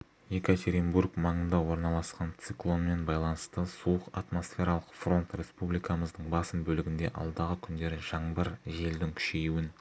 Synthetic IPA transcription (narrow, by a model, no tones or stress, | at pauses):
je̞kat̪ʲeɾimbuɾkmɑɴənd̪ɑwo̞ɾnɑlˠɑsqɑnt̪sɨklˠo̞nme̞nbɑjlˠɑnəst̪əsuəqat̪mo̞sfʲe̞ɾɑlˠəqfro̞nt̪ɾʲe̞spublˠijkɑməzd̪əɴbɑsəmbɵlɪɡʲɪnd̪e̞̰ʔɑ̰lˠd̪ɑʁəkʲʰʏnd̪e̞ɾɪʒ̥ɑɴbəɾʒe̞ld̪ɪŋkʲʰʏ̥ʃe̞juɪn